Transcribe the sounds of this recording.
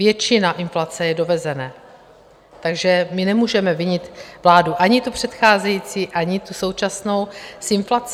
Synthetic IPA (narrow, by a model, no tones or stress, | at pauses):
vjɛt͡ʃɪnaʔɪnflat͡sɛjɛdo̞vɛzɛnɛː | t̪aɡʒɛmɪnɛmuːʒɛmɛvɪɲɪt̪vlaːduʔaɲɪt̪upr̝̥ɛt̪xaːzɛjiːt͡siːʔaɲɪt̪uso̞wt͡ʃasno̞wsɪnflat͡s